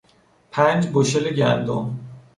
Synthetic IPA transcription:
pʰænd͡ʒboʃeleɟænd̪om

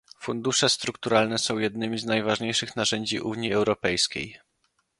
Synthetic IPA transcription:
fund̪uʂɛst̪ɾukt̪uɾalnɛsɔ̃w̃jɛd̪̚nɘmʲiznajvaʐɲejʂɘxnaʐɛɲd͡ʑiʔuɲiɛwɾɔpɛjskʲḛj

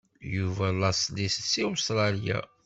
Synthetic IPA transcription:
juvælɑsnissiʊst̪ɾˤɑlja̰

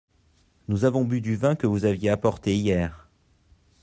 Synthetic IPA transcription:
nuzavɔ̃byd̪yvɛ̃kəvuzavjeapɔʁt̪eijɛːʁ

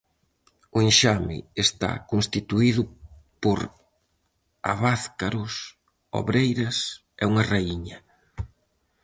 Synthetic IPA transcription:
ʊenʃamɪ̰est̪a̰kõnst̪it̪uiðʊpoɾ | a̰βaθkaɾʊs | o̰βɾejɾɐs | ɛuŋɐraiɲɐ

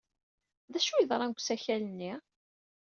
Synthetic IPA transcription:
ðæʃujəðɾˤɑnɡʷsæçælənːi

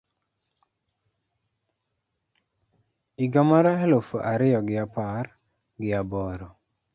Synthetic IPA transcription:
iɡamaɾaɛlofoʔaɾɪjɔɡɪapar | ɡɪabɔɾɔ

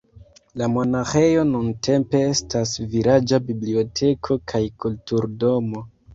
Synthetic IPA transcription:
lamo̞naxe̞jo̞nuntʰe̞mpe̞estasviɾad͡ʒabiblio̞tʰe̞kʰo̞kʰajkultuɾdo̞mo̞

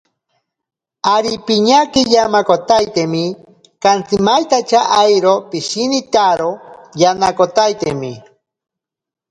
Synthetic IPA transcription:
aɾipiɲakijamakot̪ajt̪emi | kant͡simajt̪at͡ʃaʔajɾopiʃinit̪aɾojanakot̪ajt̪ḛmi

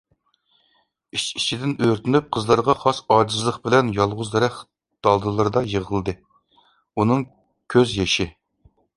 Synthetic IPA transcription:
it͡ʃi̥t͡ʃʰid̪ɪnøɾt̪ʰɪnyp̚qʰəzlˠɑɾʁɑχɑsɑːd͡ʒizlˠəqbɪlɛnjɑlˠʁʊzd̪ɛɾɛχ | d̪̥ɑlˠd̪ɨlˠɨɾɨd̪ɑjəʁəlˠɨd̪ɨ | unɨŋ | kʲʰøzjɛʃɪ

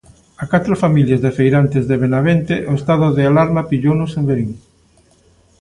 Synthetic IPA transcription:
akat̪ɾofamiljazðefejɾant̪ezðeβenaβent̪eʔʊest̪aðʊðealaɾmapiʎownʊsembeɾiŋ

